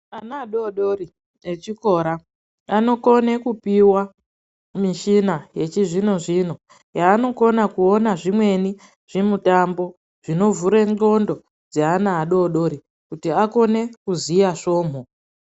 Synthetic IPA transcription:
anaːɗoɗori | et͡ʃiko̞ːɾa | ano̞ko̞ne̞kupiwa | miʃinaje̞t͡ʃiʐino̞ʐino̞ | jaːno̞ko̞nakuonaʐimwe̞ni | ʐ̥imutambo̞ | ʐ̥ino̞vuɾeŋŋ͡ǃo̞ndo̞ | d͡zeanaːɗo̞ɗo̞ɾi | kutiako̞ne̞kuzijaʂo̞ːm̤o

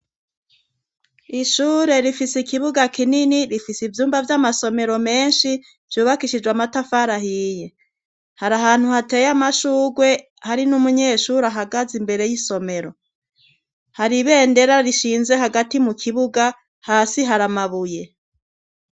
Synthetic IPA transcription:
iʃuːɾe̞ɾifisikiβuɡakininiɾifisivjuːmbavjamaso̞me̞ɾo̞me̞ːnʃi | v̥juːβakiʃid͡ʒɡwamatafaɾaɦije̞ | haɾaɦaːn̥huhate̞ːjamaʃuːɡwe̞ | haɾinumuɲe̞ːʃuːɾaɦaɡazimbe̞ɾe̞jiso̞me̞ɾo̞ | haɾiβe̞ːnde̞ɾaɾiʃiːnze̞ɦaɡatimukʰiβuɡa | haːsiɦaɾamaβuje̞

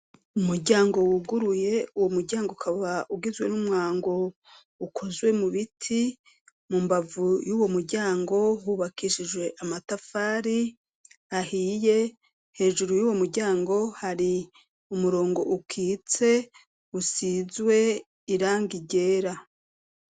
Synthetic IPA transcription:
umuɾɟaːŋɡo̞wuɡuɾuje̞uwomuɾɟaːŋɡoukʰaβaʔuɡizwe̞̰numŋaːŋɡo̞ | ukʰo̞zwe̞muβitʰi | mumbavujuːwo̞muɾɟaːŋɡo̞wuβakiʃiʒwe̞ʔamatafaːɾi | ahiːje̞ | he̞ːʒuɾujuːwo̞muɾɟaːŋɡo̞haɾi | umuɾo̞ːŋɡo̞̰ʔukʰiːt͡se̞ | usizwe̞ | iɾaːŋɡiɟe̞ːɾa

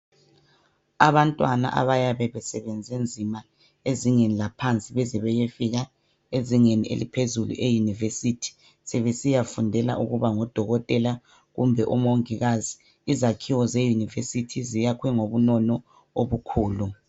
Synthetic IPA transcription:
aβantʼwana̰ʔa̰βajaβɛβɛsɛβɛnd͡zʱend͡zʱima | eziŋenilapʰant͡sʼiβɛzɛβɛjefiɣa | eziŋeniḛlḭpʰezulṵʔejunivesitʰi̥ | sɛβesijafundʱɛla̰ʔuɣuβaŋɔd̥ʱɔɣɔtʼɛla | ɣumbʱɛʔumoŋiɣaziː | zakʰiwɔzejunivesitʰizijakʰwɛŋoβunɔnɔ | oβukʰuːlu

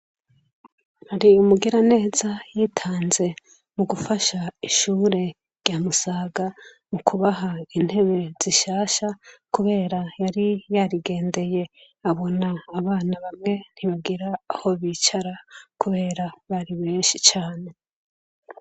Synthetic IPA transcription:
haɾiumuɡiɾane̞ːzajiːtʰaːnze̞ | muɡufaʃaiʃuːɾe̞ | ɾɟ̥aːmusaːɡa | mukʰuβaɦain̥he̞βe̞z̥iʃaːʃakuβe̞ːɾajaɾijaɾiɡe̞ːnde̞je̞ | aβo̞naːβaːnaβamŋe̞n̥hiβaɡiɾaːho̞βit͡ʃaɾakuβe̞ːɾaβaɾiβe̞ːnʃit͡ʃaːne̞

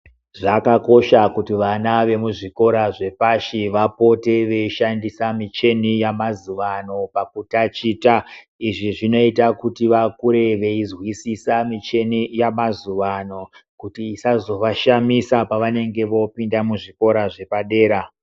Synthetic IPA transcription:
ʐakako̞ʃakutiʋanaʋe̞muʐiko̞ɾaʐe̞paʃiʋapo̞teʋe̞iʃandisamit͡ʃe̞nijamazuʋano̞pakutat͡ʃiːta | iʐiʐino̞itakutiʋakuɾe̞ʋe̞izwisisamit͡ʃe̞nijamazuʋano̞kutiːsazo̞ʋaʃamisapaʋane̞ŋɡe̞ʋo̞pindamuʐiko̞ɾaʐe̞paɗe̞ːɾa

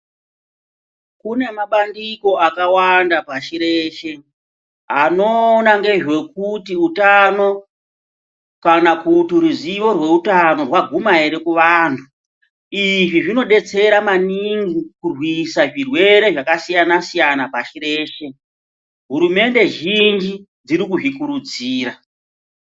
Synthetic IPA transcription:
kune̞maɓandiko̞akawandapaʃiɾeʃe | ɦano̞naŋɡe̞ʐwe̞kutiutano̞ | kanakutuɾuziʋo̞rwe̞utano̞rwaɡʱumaeɾe̞kuʋaːntʰu | iʐiʐino̞ɗe̞t͡se̞ɾamaniŋɡikurwisaʐirwe̞ɾe̞ʐakasijanasijanapaʃire̞ːʃe | ɦuɾume̞nde̞ʒind͡ʒi | d͡ziɾikuʐikuɾud͡ziːɾa

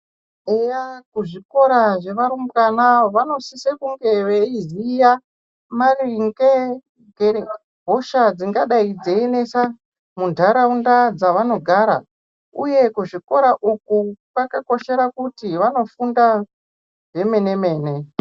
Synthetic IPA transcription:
ejakuʐiko̞ɾaʐe̞ʋaɾumbkanaʋano̞sisekuŋɡe̞ʋeizija | mariŋɡe | ɡe | bʱoʃad͡ziŋɡaɗaid͡zeine̞sa | mundʱaɾaundad͡zaʋano̞ɡʱaːɾa̰ | ṵje̞kuʐiko̞ɾaʔukukwakako̞ʃe̞ɾakutiʋano̞funda | ʐe̞me̞ne̞me̞ːne̞

